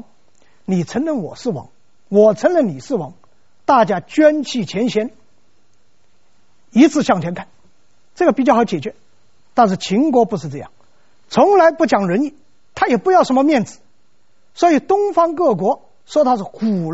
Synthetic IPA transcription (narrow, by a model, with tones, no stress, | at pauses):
ni˨˩t͡sʰə˧˥nlə˧˩nwɔ̰˨˩sɹ̩˥˩wɑ̰˧˥ŋ | wɔ˨˩t͡sʰə˧˥nlə˥˩nni˨˩ʂɹ̩˥˩wɑ˧˥ŋ | t̪a˥˩t͡ɕja˥t͡ɕɥɛ˥nt͡ɕʰi˥˩t͡ɕʰjɛ˧˥nɕjɛ˧˥n | i˧˥t͡sʰɹ̩˥˧ɕjɑ˥˩ŋt̪ʰɛ˧˥nŋkʰa˥˩n | ʈ͡ʂɤ˥˩ɡə˩pi˨˩t͡ɕjxʊt͡ɕjɛ˨˩t͡ɕɥɛ˧˥ | t̪a˥˧nʂ̬ɻ̩˥˩t͡ɕʰi˧˥ŋkwɔ˧˥pʂɻ̩˥˧ʈ͡ʂɤ˥˧jɑ̰˥˩ŋ | t͡sʰʊ˧˥ŋla˧˥ɪpu˥˩t͡ɕjɑ˨˩ŋɻə˧˥ni˥˩ | t̪ʰa˥jɛ˨˩pu˥˧jɑ˥˩ʊʂə˧˥nmə˧mjɛ˥˩nt͡sɹ̩˨˩˦ | swɔ˧˥i˨˩t̪ʊ˥ŋfɑ˥ŋkɤ˥˩k̬wɔ˧˥ | ʂwɔ˥t̪ʰa˥ʂ̩˥˩ku˨˩